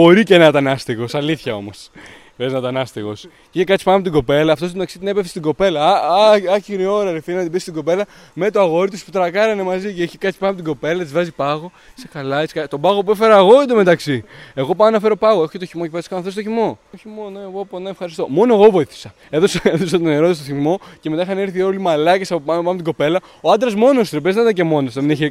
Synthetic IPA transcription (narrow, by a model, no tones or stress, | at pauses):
bo̞ɾicenɐt̪ɐnɐst̪iɣo̞sɐliθçɐo̞̰mo̞s | peznɐt̪ɐnɐst̪iɣo̞s | içekɐt̪si̥pɐnɐpot̪iɡo̞pe̞lɐːft̪ost̪ot̪ɐksit̪ine̞pefst̪iɡo̞pe̞lɐɐçiɣnio̞ɾɐɾefiɾinɐt̪ibist̪iɡo̞pe̞lɐ | met̪oɐɣo̞ɾit̪ispu̥t̪ɾɐkɐɾɐne̞mɐziceiçekɐt̪si̥pɐnɐpot̪iɡo̞pe̞lɐet̪izvɐzipɐɣo̞ | isekɐlɐeskɐt̪o̞bɐɣop̬uefe̞ɾɐɣo̞d̪ome̞t̪ɐksie̞ɣo̞pɐmnɐfe̞ɾo̞pɐɣoexo̥cet̪oçimocepeskɐnɐfθes̬t̪oçimo̞oçimo̞noeɣoponɐefxɐɾist̪o̞mo̞noe̞ɣovo̞iθi̥sɐ | e̞ðosɐeðos̬ɐt̪oneɾoðs̬t̪oçimo̞cemet̪ɐixɐneɾθio̞limɐlɐce̞sɐpɐmpɐmet̪iɡo̞pe̞lɐ | oɐd̪ɾɐzmo̞nost̪ɾepeznɐt̪ɐce̞mo̞nosðemineçe